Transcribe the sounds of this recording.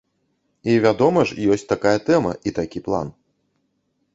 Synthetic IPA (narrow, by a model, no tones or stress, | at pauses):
ivʲad̪ɔmɐʂjɔsʲt͡sʲt̪akajɐt̪ɛmɐ̰ʔit̪akʲiplˠa̰n